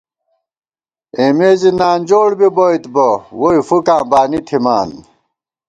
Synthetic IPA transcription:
emeːzinaːnd͡ʑoːɽbiboit̪bowoifukãːbaːnit̪ʰimaːn

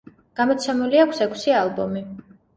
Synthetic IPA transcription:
ɡ̥amɔt̪sʰɛmuliakʷʰsɛkʰsialˠbɔmi

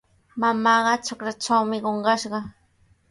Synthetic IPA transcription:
mamɑːɢɑt͡ʃokɾat͡ʃawmɪɢoɴɢɑʃɢɑ

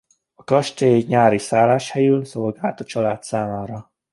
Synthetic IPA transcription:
ɒkɒʃt̪eːɲaːɾisaːlaːʃhɛjylsolɡaːlt̪ɒt͡ʃɒlaːt̪saːmaːɾɒ

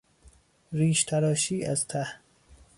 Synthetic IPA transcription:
ɾiːʃt̪ʰæɾɒːʃiːæzt̪ʰæh

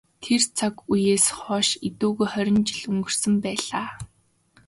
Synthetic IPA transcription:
t̪ʰert͡sʰakujeːsχɔːʃit̪uːɣujχœɾʲɪ̆nt͡ɕɪ̆ɮuŋɡɵ̆r̥sə̆mpæːɮaː

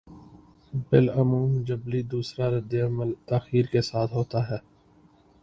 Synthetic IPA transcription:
bɪlɐmuːmd͡ʒəblid̪uːsɾaɾɐd̪eɐməlt̪aːxiːɾkesaːt̪ʰɦoːt̪aɦɛː

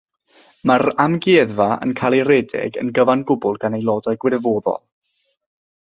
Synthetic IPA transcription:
maɾamɡɛðvaə̰nkʰalˠirɛdɛ̰ɡə̰nɡəvanɡʊbʊlˠɡanejlˠɔdajɡwɪɾvoːðɔ̰lˠ

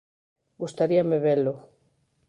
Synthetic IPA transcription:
ɡust̪aɾiameβelo

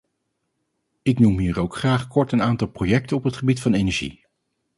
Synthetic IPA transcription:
ɪknumɦiːɾowkχraːχkɔɹtənaːntɑlˠprojɛk̚tənɔpɦətχəbitfɑnejnɛɹʒḭ

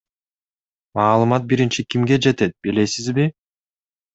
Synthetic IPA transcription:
mɑːlˠɯmɑt̪̚biɾint͡ʃikʲimɡe̞d͡ʒe̞t̪e̞t̪̚bile̞sizbi

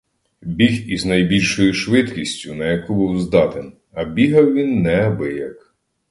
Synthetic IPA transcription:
bʲiɦiznɐjbʲilʲʃɔjʊʃʋɪt̪kʲisʲtʲʊnɐjɐkubuwzd̪ɑt̪en | ɐbʲiɦɐwʋʲinːɛɐbɪjɐk

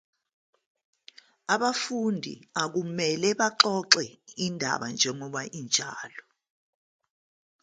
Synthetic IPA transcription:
aɓafundʱḭak̬umɛlɛɓaǃɔǁɛindʱa̰ɓa̰nd͡ʒʱɛŋɔɓaʔint͡ʃʼa̰ːlɔ

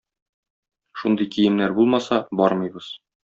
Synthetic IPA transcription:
ʃund̪ɤjkijɘ̆mnæɾbulˠmɑsɑbɒɾmɤ̆jbɤz̥

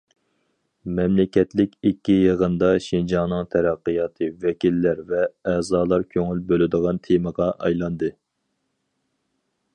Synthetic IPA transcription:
mɛmlɪkʲɛt̪lɪkʲikʲːijəʁənd̪ɑʃind͡ʒɑŋnɨŋt̪ʰæɾɛqːɨjɑːt̪ʰɨvɛkʲilːæɾvɛɛːzɑːlˠɑɾkʲʰøŋylbølɪd̪əʁɑnt̪ʰeməʁɑʔɑjlˠɑnd̪ɨ

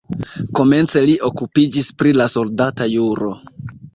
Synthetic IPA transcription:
ko̞me̞nt͡se̞liʔo̞kupid͡ʒispɾilaso̞ldatajuɾo̞

